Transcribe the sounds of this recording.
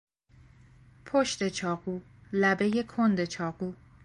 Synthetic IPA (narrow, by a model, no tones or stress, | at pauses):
pʰoʃt̪e̞t͡ʃʰɒːɣ̥uː | læbe̞je̞kʰond̪e̞t͡ʃʰɒːɣuː